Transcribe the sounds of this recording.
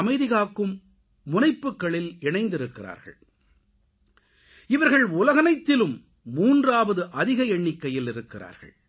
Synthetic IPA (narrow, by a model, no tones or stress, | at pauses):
mɐɪðɪɣaːkːɯmː | ʊnɐɪpːɯkːɐɭɪlɛɳɐɪnd̪ɪɾɯkːɪra̰ːɾɣɐ̰ɭ | ɪʋɐɾɣɐɭʊlɐɣɐnɐɪt̪ːɪlɯmː | uːndraːʋɐðɯʔɐðɪɣɐɛɳːɪkːɐjɪlɪɾɯkːɪra̰ːɾɣɐ̰ɭ